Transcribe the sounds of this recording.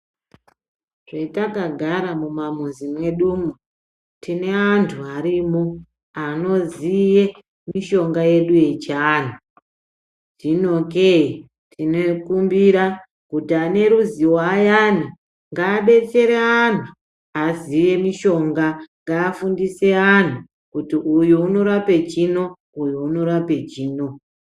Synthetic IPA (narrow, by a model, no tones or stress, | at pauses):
ʐeitakaɡʱaɾamumamuzimwe̞ɗumu | tine̞antʰuaɾimo | ano̞zije | miʃo̞ŋɡaje̞ɗuje̞t͡ʃaːn̤u | ʐinokei | tʰinekumbiɾa | kutiane̞ɾuziwajan̤i | ŋɡaːɓe̞t͡se̞ɾean̤u | azije̞miʃo̞ŋɡaŋɡaːfundise̞an̤u | kutiʔujuuno̞ɾape̞t͡ʃino̞ | ujuuno̞ɾape̞t͡ʃiːno̞